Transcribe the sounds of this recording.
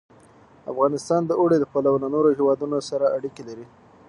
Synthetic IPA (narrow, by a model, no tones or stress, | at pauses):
a̰fɣɑnɪst̪ɑnd̪əʔoɽed̪əpalawlanoɾohewɑd̪unosaɾaʔaɽikelaɾi